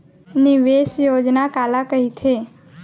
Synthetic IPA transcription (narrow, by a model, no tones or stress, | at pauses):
niʋesjod͡ʒnakalakəɦit̪ʰe